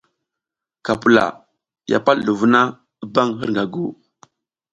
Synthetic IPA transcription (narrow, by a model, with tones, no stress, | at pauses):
ka˨pu˨la̰˨ | ja̰˨pa˦llu˨vu˦na˦ | ə˦ba˦ŋhə˦ɾŋɡa˨ɡu˦˨